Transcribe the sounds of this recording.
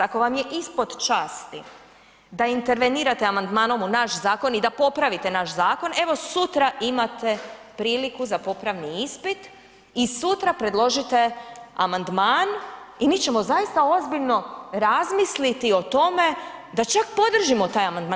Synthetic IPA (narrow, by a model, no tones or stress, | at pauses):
ako̞ʋamje̞ʔispo̞d̪t͡ʃaːst̪ḭ | d̪aint̪e̞ɾʋeniːɾat̪eamand̪maːno̞munaʃzaːko̞nid̪apo̞pɾaʋit̪e̞naʃzaːko̞ne̞ʋo̞sut̪ɾaʔimat̪e̞pɾiːlikuzapo̞pɾaʋniispit̪ | isut̪ɾapɾe̞d̪lˠo̞ʒit̪e̞a̰mand̪maːnimiːt͡ɕemo̞zajist̪ao̞zbiʎno̞ɾazmislit̪io̞t̪o̞me̞d̪at͡ʃakpo̞d̪r̩ʒimo̞t̪aːjamand̪maː